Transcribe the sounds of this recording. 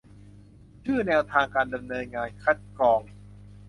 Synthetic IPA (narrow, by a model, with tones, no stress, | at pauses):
t͡ɕʰɯː˥˩nɛː˧wt̪ʰaː˧ŋkaː˧nda˧mnɤː˧nŋaː˧nkʰa˦˥t̪̚kɔː˧ŋ